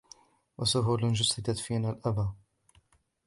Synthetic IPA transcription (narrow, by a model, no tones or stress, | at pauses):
wʔasʊhuːlnd͡ʒʊsɪd̪at̪fiːnaːlʔabaː